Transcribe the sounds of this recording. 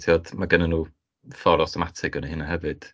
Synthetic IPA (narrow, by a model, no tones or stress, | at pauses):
tʰjɔdmaɡənənuː | fɔɾɔsɔmatʰɪɡənəhɨnahɛvɨd̥